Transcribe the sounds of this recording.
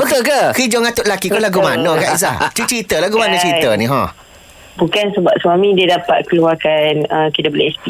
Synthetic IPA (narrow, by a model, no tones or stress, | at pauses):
bək̪əkəkid͡ʒɔŋat̪ʊʔ̪̚lakikɔlaɡumanəkaʔis̬a̰t͡ʃut͡ʃit̪əlaɡumanət͡ʃɾit̪əniɦɔ̰̃ | bukansəbap̚swamĩdiədapa̰t̪̚kəluakanəkid̪əbəleʔɛspi